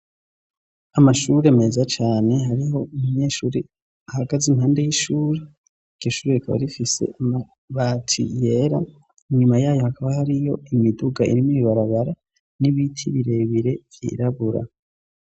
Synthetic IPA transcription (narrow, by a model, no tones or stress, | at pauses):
amaʃuɾeme̞zat͡ʃaːne̞ɦaɾiho̞umuɲe̞ːʃuːɾe | ahaɡazimhaːnde̞jiʃuːɾe | iɟ̥oʃuːɾeakʰaβa̰ɾifise̞̰ʔama | βatʰḭje̞ɾa | ɲumajaːjohakaβahaɾijo̞imiduɡaʔḭɾimiiβaɾaβaɾa | niβitʰiβiɾe̞βiɾe̞vjḭɾaβuɾa̰